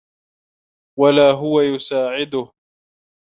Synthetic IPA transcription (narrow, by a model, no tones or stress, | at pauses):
walaːɦʊwajʊsaːʕɪd̪ʊh